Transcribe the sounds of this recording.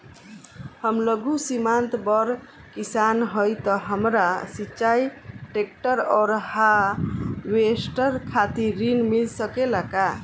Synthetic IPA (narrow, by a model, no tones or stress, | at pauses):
həmləɡusimant̪bəɾ | kisanɦəjt̪ɔɦəmɾasit͡ʃajʈek̚ʈəɾɔːɾha | wesʈəɾkʰat̪iɾinmilsəkelaka